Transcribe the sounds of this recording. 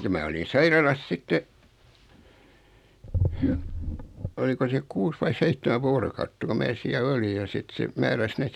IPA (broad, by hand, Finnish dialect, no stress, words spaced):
jɑ mæː olin sɑirɑlɑs sitːe oliko se kuːs ʋɑi seitːemæ ʋoːrokɑutːɑ ko mæː siæl oli jɑ sit se mæːræs neːt